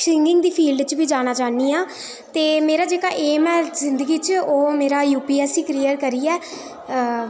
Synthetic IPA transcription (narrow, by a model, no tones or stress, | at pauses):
ʃɪŋɡɪŋɡd̪iːpʰiːlɖt͡ʃbiːd͡ʒaːnaːt͡ʃaːniːãː | t̪eːmeːɾaːd͡ʒeːkaːʔeːmɛ̃ːzɪnd̪əɡiːt͡ʃoːmeːɾaːjuːpiːɛːsiːkɾiːjəɾkəɾiːɛː